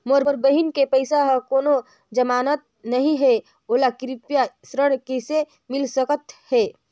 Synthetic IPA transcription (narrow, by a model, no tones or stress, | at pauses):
moɾoɾbəɦinkepəɪsaɦə̃koːno | d͡ʒəmaːnət̪̚nəɦĩɦe | oːlakɾipjasɾəɽkese | mɪlsəkət̪he